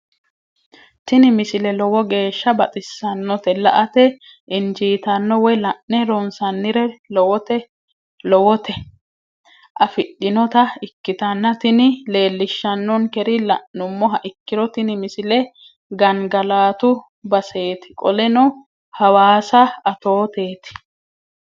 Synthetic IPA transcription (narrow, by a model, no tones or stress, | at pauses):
t̪ɪnɪmɪsɪlɛlɔwɔɡe̞ːʃːɐbɐt͡sʼɪsːɐnːɔt̪ɛlɐ̰ʔɐt̪ɛ | ʔɪnd͡ʒiːt̪ɐnːɔwɔjlɐʔnɛɾɔnsɐnːɪɾɛlɔwɔt̪ɛ | lɔwɔt̪ɛ | ʔɐfɪɗːɪnɔt̪ɐɪkːɪt̪ɐnːɐt̪ɪnɪle̞ːlːɪʃːɐnːɔnkɛɾɪlɐʔnʊmːɔɦɐʔɪkːɪɾɔt̪ɪnɪmɪsɪlɛ | ɡɐŋɡɐlaːt̪ʊ | bɐse̞ːt̪ɪ̥kʼɔlɛnɔ | hɐwaːsɐɐt̪oːt̪eːt̪ɪ̥